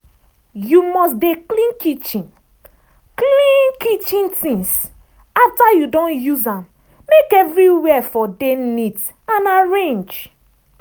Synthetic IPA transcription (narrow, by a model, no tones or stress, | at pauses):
jumɔsdeklĩnkit͡ʃĩn | klĩnkit͡ʃĩntĩŋs | aftajudõnjuzãm | mekɛvɹiwɛfɔdenit | ãnaɹẽnd͡ʒ